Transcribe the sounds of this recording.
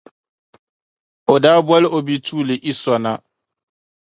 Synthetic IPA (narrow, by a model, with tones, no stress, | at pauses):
o˨daː˦bwa˦lɪ˦ʔo˨bi˦tʰuː˦˨lɪ˨ʔi˦sɔ˨na˦